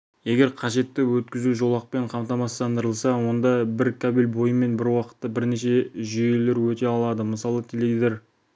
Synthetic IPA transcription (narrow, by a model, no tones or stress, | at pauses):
je̞ɡʲe̞ɾqʰɑʒe̞t̪ːɪwɵt̪kʲɪzuʒo̞lˠɑq̚pe̞ɴqʰɑmt̪ɑmɑst̪ɑnd̪əɾəlˠsɑwo̞nd̪ɑbɪɾkʰabelbo̞jəme̞nbɪɾwɑqə̥t̪ːəbɪɾne̞ʃe̞ʒʏje̞le̞ɾwɵt̪e̞ɑlˠɑd̪əməsɑlˠət̪ʰelevʲid̪e̞ɾ